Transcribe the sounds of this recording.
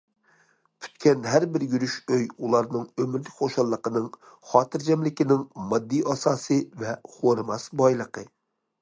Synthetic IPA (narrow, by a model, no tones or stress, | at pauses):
pʰy̥t̪kʲɛnɦæɾbɪɾjyɾyʃøjulˠɑɾnɨŋømɪɾlɪkʲχoʃɑlˠːəqənɨŋχɑːt̪ʰɨɾd͡ʒɛmlɪkʲɪnɪŋmɑd̪ːijʔɑsɑːsɨvɛχoɾmɑsbɑjlˠəqə